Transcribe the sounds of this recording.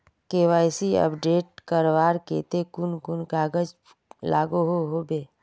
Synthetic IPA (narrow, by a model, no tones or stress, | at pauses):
keːʋaːɪsiə̰pɖeːʈ̚kəɾʋaːɾkḛːt̪ekʊnkʊnkaːɡəd͡ʒ | la̰ːɡoɦoɦoːbeː